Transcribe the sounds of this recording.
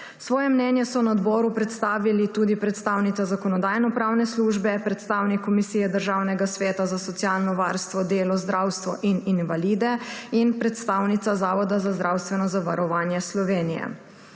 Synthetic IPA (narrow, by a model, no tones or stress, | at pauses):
sʋɔːjɛmnɛnjɛsɔnaɔd̪bɔːɾupɾɛt̪st̪aːʋilit̪uːd̪ipɾɛt̪st̪awnit̪azakɔnɔd̪ajnɔpɾaːwnɛsluːʒbɛpɾɛt̪st̪awnikːɔmisiːjɛd̪əɾʒaːwnɛɡasʋɛːt̪azasɔt̪sijalnɔʋaɾst̪ʋɔd̪eːlɔzd̪ɾawst̪ʋɔʔininvaliːd̪ɛinpɾɛt̪st̪awnit̪sazaːʋɔd̪azazd̪ɾawst̪ʋɛnɔzaʋaɾɔʋaːnjɛslɔʋeːnijɛ̰